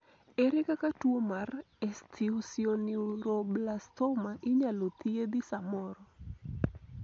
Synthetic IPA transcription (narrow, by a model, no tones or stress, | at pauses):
ɛɾɛkakatuomar | ɛst̪ʰiusioniɾɔblast̪ɔmaʔɪɲalɔt̪ied̪ɪsamɔɾɔ